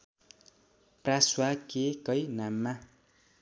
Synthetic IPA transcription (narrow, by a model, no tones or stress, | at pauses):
praswakekʌjnamːa